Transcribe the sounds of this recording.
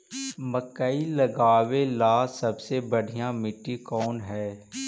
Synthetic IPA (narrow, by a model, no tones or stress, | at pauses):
məkəiləɡaːʋelaːsɐbsebɐɽ̤ʱijãmɪʈːikɔːnɦɛː